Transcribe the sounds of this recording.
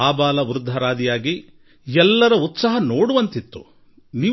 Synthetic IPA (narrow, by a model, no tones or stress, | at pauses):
aːbaːlɐʋuɾd̪ʱːɐɾaːd̪ijaːɡi | ɛlːɐɾɐut̪sɐɦɐnoːɽuʋɐnt̪it̪ːṵ | niː